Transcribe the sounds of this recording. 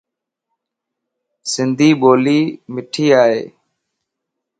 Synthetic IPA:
sɪnd̪ʱiːɓoːliːmɪʈʰiːaːɦeː

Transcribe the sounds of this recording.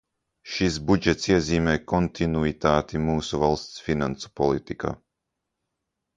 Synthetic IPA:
ʃis̬bud͡ʒɛt̪siɛziːmɛːjkɔnt̪ʰinuit̪aːt̪imuːsuvalˠst̪sfinansu̥pɔlˠit̪ika̰ː

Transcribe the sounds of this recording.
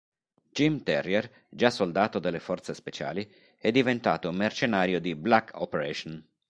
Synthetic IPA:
d͡ʒimt̪ɛrːier | d͡ʒasold̪aːt̪od̪elːefɔrt̪sespet͡ʃa̰ːli | ɛd̪ːivent̪aːt̪omːert͡ʃenaːɾjod̪iblakʰːɔ̰peɾɛʃon

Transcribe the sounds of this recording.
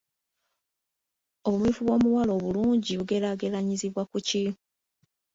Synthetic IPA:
o̞βumwiːfuβwo̞ːmuwalo̞ːβuluːɲɟiβuɡe̞ɾaɡelaɲiziβwakuci

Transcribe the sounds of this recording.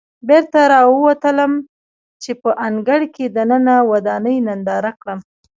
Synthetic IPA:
beɾt̪aɾɑwəwat̪ələm | t͡ʃepəʔaŋɡaɽked̪anənawad̪ɑnəjnand̪ɑɾakɽəm

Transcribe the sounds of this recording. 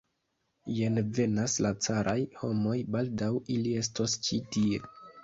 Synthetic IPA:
jenve̞naslat͡saɾʔajho̞mo̞jbaldawilie̞s̬tost͡ʃitie̞

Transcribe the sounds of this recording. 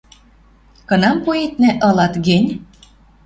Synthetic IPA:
kɤ̆nɑmpuet̪̚nĕʔɤ̆lɑt̪ɡenʲ

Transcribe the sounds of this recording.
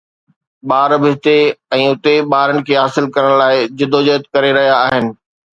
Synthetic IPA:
ɓaːɾbɪɦɪt̪eɛ̃ːʊt̪eɓaːɾənɪ̆kʰeːɦaːsɪlkɐɾəɽ̃laːɪd͡ʑɪd̪ʱod͡ʑət̪kɐɾeɾɐɦijaːɦɪnɪ̆

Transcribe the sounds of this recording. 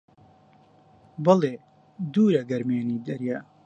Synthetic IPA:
bɐleː | d̪uːɾɐɡɐɾmeːniːd̪ɐɾjaː

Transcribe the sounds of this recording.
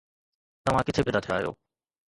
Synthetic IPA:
t̪ɐm̤ãkɪt̪ʰebʱed̪at̪ʰea̰ːɦjo̰ː

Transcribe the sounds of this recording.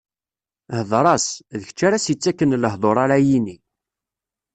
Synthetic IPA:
həðˤɾˤɑsðəçət͡ʃːaɾasjət͡sːækːənləɦðˤoɾˤaɾajini

